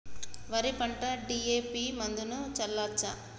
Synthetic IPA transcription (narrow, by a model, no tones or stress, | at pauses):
ʋɐɾipɐɳʈɐɖiːeːpimɐnd̪unut͡ʃɐlːaːt͡ʃːa